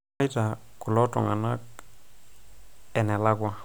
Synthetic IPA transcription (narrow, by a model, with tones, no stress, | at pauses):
jtakʊ˨lɔ˦tɔ̰˨ŋa˨na˦k̚ | ɛ˨nɛ˨la˦ɡwa˦